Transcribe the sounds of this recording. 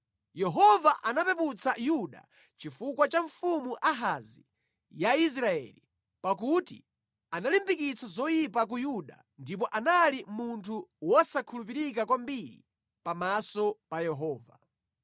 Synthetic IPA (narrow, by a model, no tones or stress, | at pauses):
jɛɦɔvaʔanapɛput͡sʰajuɗa̰ | t͡ʃifukwat͡ʃaɱfumuʔaɦazḭ | jais̬ɾaɛ̰lḭ | pakutḭ | analimbikit͡sʰazɔjipak̬ujuɗa̰ | ndip̬ɔʔanalimuntʰuwɔsakʰulupiɾikakwambiɾḭ | pamasɔpajɛɦɔːva̰